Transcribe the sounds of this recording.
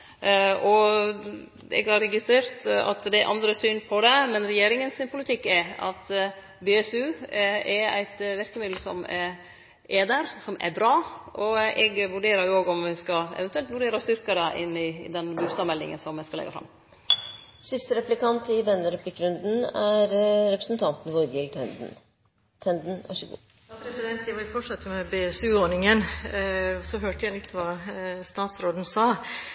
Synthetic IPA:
ʔɔ | ɛ̰ɡhɑɾɛɡɪst̪ɾeːɾt̪ɑ̰t̪d̪ɛʔɑ̰nd̪ɾəsyːnpʰɔd̪ɛmɛnɾɛjeːɾɪŋənsɪnpʰʊlɪt̪ʰɪkːɛɑ̰t̪ | beːɛsʉɛɾæ̰ɪt̪ʋæɾkəmɪd̪l̩sɔ̰mɛɾ | ʔeːd̪əɾsɔmʔæ̰ɾbɾɑːʔɔɛɡʋʉɖeːɾɑɾjʊoːɡɔmʋɪskɑɛ̰ʋɛnt̪ʉɛlt̪ʋʉɖeːɾɑst̪ʏɾkəɾəʔɪnːɪd̪ɛnbʉst̪ɑːmɛlɪ̰ŋə̰nsɔmɛskɑlɛ̰ɡːɑ̰fɾɑ̰m | sɪst̪əɾɛplɪkʰɑnt̪ɪd̪ɛnːəɾɛpʰlɪkːɾʉnd̪n̩æɾɾɛpɾəsn̩t̪ʰɑnt̪n̩ʋɔɾɡɪlt̪ʰɛnd̪̩ | t̪ʰɛnd̪n̩æ̰ʂəɡṵ | jɑpʰɾɛsɪd̪ɛnt̪jæʋɪɾfɔʂɑt̪ːəmɛbɛɛsʉːonɪŋən | sɔɦøːʈəjæɪlɪt̪ːʋɑːst̪ɑːt̪sɾoːd̪n̩sɑː

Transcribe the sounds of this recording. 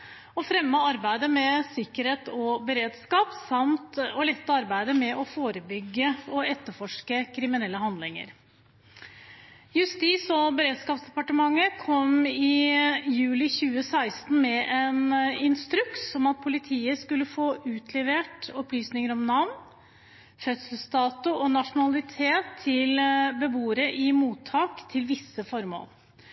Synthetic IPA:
ɔfɾɛmːəɑɾbæɪd̪əmɛsɪkːəɾeːt̪ɔbəɾeːd̪skɑːpsɑmt̪ɔlɛt̪ːəɑɾbæɪd̪əmɛʔɔfoːɾəbʏɡːəɔɛt̪ːəɾfɔʂkəkʰɾɪmɪnɛlːəhɑnd̪lɪŋə̰ɾ | jʉst̪iːsɔbəɾeːd̪skɑːpsd̪ɛpɑʈəmɑŋːəkʰɔmɪjʉːlɪçʉːəsæɪst̪n̩mɛʔɛnɪnst̪ɾʉkt̪ːɔmɑt̪̚pʰʊlɪt̪ʰiːəskʉlːəfoːʔʉːt̪ʰlɛʋeːʈɔplyːsnɪŋəɾɔmnɑʋn | fœt̪səl̩st̪ɑːt̪ʊɔnɑʂʊnɑlɪt̪ʰeːt̪ʰːɪlbəbuːɾəʔɪmuːt̪ʰːɑːkt̪ʰɪlʋɪsːəfɔɾmo̰ːlˠ

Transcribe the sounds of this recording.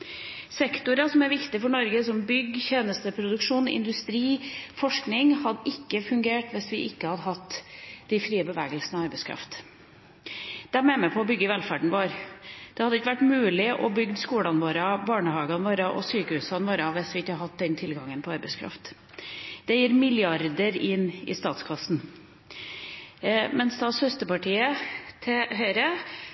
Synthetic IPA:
sɛkt̪ʊɾɑsɔmæɾʋɪkt̪ɪfɔɳɔɾɡəsɔmbʏɡːçeːnəst̪əpʰɾʊd̪ʉkʂuːnɪ̰nd̪ʉst̪ɾiːfɔʂknɪŋhɑd̪ɪkːəfʉŋɡeːʈʋɛsʋɪʔɪkːəhɑd̪əɦɑt̪ːd̪̥ɪfɾiːəbəʋæːɡəlsn̩ɔɑɾbɛɪskʰɾɑ̰ft̪ | d̪̥ɛæmɛmɛpʰɔɔbʏɡːəʋɛlfæɖɳ̩ʋoːɾd̪̥ɛhɑd̪ːəɪkːəʋæʈmʉːlɪʔɔbʏɡd̪skuːlɑnʋoːɾɑbɑːɳəhɑːɡɑnʋoːɾɑʔɔ̰syːkəhʉːsɑnʋoːɾɑʋɪsʋɪɪkːəhɑhɑt̪̚d̪ɛnt̪ʰɪlɡɑŋənpʰɔɑɾbɛɪskʰɾɑ̰ft̪ | d̪̥ɛjiːɾmɪljɑɾd̪əɾɪnːɪ̰st̪ɑːt̪skʰɑsn̩ | mɛnsd̪ɑːshœst̪əpɑʈʰiːət̪ʰɛɦœʏɾə

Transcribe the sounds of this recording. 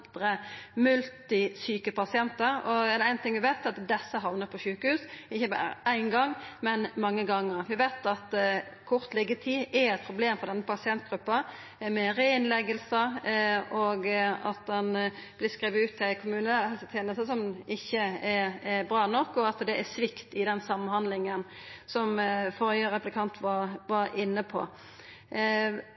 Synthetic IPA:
d̪̥ɾəmʉlt̪ɪsyːkəpɑsɪɛnt̪əɾɔɛd̪ɛæɪnt̪ʰɪŋʋɪʋæɪt̪ːɛɑt̪d̪ɛsːəɦɑʋnəpʰɔʃʉːkəhʉːsɪçːəbɑ̰ɾə̰ʔæɪnɡɑŋːmɛnmɑŋːəɡɑŋːəɾʋɪʋæɪt̪ɑt̪ | kʰɔʁt̪lɛɡət̪ʰiːɛɾɛt̪̚pʰɾʊbleːmfɔd̪ɛnːəpɑsɪɛnt̪ɡɾʉpːɑ | mɛɾeɪnlɛɡəlsə | oɡɑ̰t̪̚d̪ɛnb̥lɪskɾiːʋəʉːt̪ʰːɪkʰʊmʉːnənæɛlst̪ʰjeːnəst̪əsɔmɪçːəɛbɾɑːnɔkːɔɑt̪d̪ɛʔæsʋɪkt̪ɪd̪ɛnsɑmːənhɑnd̪lɪŋən | sɔmfɔɾjəɾɛplɪkʰɑnt̪ʰʋɑɾʋɑɾɪnːəpʰɔ̰

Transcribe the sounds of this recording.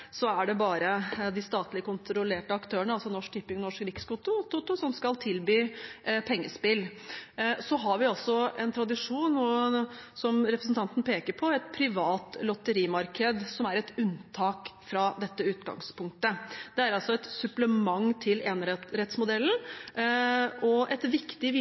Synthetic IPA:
sɔæɖɛbɑːɾəd̪ɪst̪ɑːt̪lɪkʊnt̪ɾʊleːʈəɑkt̪ʰøːəɳəɑlsɔnɔʂk̪̚ɪpːɪŋnɔʂkɾɪkskʊt̪ʊt̪ʊt̪ʊsɔmskɑlt̪ʰɪlbyːpʰɛŋːəspɪl | sɔɦɑɾʋɪɑlsɔɛnt̪ʰɾɑd̪ɪʂuːnɔsɔmɾɛpɾəsn̩t̪ʰɑnt̪ən̩pʰeːkəɾpʰɔɛt̪̚pʰɾɪʋɑːt̪lɔt̪ːəɾiːmɑɾkʰəd̪sɔmæɾɛt̪ʉnt̪ʰɑːkfɾɑd̪ɛt̪ːəʉːt̪ɡɑ̰ŋspʰʊŋk̚t̪əd̪̥ɛæɾɑlsɔɛt̪sʉpləmɑŋːt̪ʰɪleːnɾɛt̪smʊd̪ɛlːn̩ | ʔɔʔɛt̪ʋɪkt̪ɪʋɪ

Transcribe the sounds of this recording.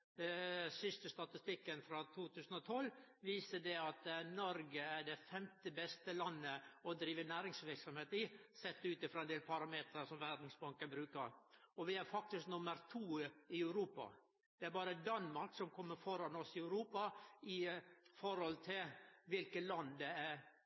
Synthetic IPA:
d̪ɛsʏst̪əst̪ɑt̪ɪst̪ɪkːənfɾɑt̪ʰuːt̪ʰʉːsn̩ɔt̪ʰɔlʋiːsədɛɑt̪nɔɾɡəæɖɛfɛmt̪əbɛst̪əlɑnːəɔd̪ɾiːʋənæːɾɪŋsʋɪɾksɔmheːt̪ɪsɛt̪ːʉːt̪ɪfɾɑːɛnd̪eːlpʰɑɾɑmeːt̪ɾəsɔmʋæd̪n̩sbɑŋkəbɾʉːkəɾɔʋɪæɾfɑk̚t̪ɪsknʊməɾt̪ʰuːɪœʉɾuːpɑ̰ | d̪̥ɛæɾbɑːɾəd̪ɑnmɑɾksɔmkʰɔmːəɾfɔɾɑnɔsɪœʉɾuːpɑɪfɔɾhɔlt̪ʰɪlʋɪlkəlɑnd̪ɛæɾ

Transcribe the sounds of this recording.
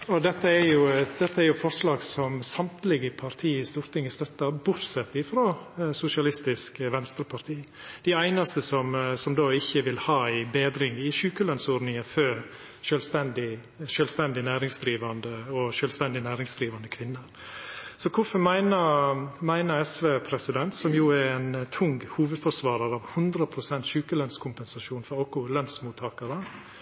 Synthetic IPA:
ɔd̪ɛt̪ːəɛɾjʊd̪ɛt̪ːəæɾjʊfɔɾʂlɑːɡsɔmsɑmt̪lɪɡəpʰɑɾt̪ʰiːɪst̪uːɾt̪ɪŋːəst̪œt̪ːɑbʊɾsɛt̪ːɪfɾoːsʊʂɪɑlɪst̪ɪskʋɛnst̪ɾəpʰɑɾt̪ʰiː | d̪̥æɪæɪnɑst̪əsɔmsɔmd̪oːɪçːəʋɪlhɑːɪbeːd̪ɾɪŋɪʃʉːkəlœnsʊɾnɪəfø | ʃœlst̪ɛnd̪ɪ | ʃœːlst̪ɛnd̪ɪnæːɾɪŋsd̪ɾiːʋɑnd̪əɔʃœːlst̪ɛnd̪ɪnæːɾɪŋsd̪ɾiːʋɑnd̪əkʰʋɪnːəɾ | sɔkʰʊfɔɾmæɪnəmæɪnəɾɛsʋeːpʰɾɛsɪd̪ɛnt̪sɔmjuːɛɾæɪnt̪ʰʊŋɡhuːʋəd̪fɔʂʋɑːɾɑɾɑːʋhʉnd̪ɾəpʰɾʊsɛnt̪ʃʉːkəlœnskʰʊmpɛnsɑʃuːnfɔɾoːkʊlœnsmuːt̪ʰɑːkəɾə

